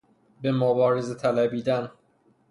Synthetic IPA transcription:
bemobɒːɾezet̪ʰælæbiːd̪æn

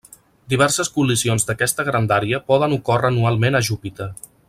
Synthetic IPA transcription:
d̪iβɛɾsəskulisionzd̪əkɛst̪əɣɾənd̪aɾiəpɔð̞ənukorəːnualˠmenəʒupit̪ə

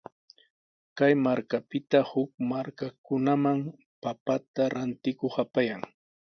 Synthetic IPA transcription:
kajmaɾkapɪt̪ahʊk̚maɾkakʊnamaŋ | papat̪aɾant̪ɪkoχapajaŋ

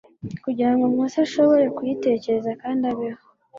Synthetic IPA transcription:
kuɟiɾaŋɡomŋusaʃo̞βo̞ɾe̞kujite̞ːce̞ɾezakaːndaβiho

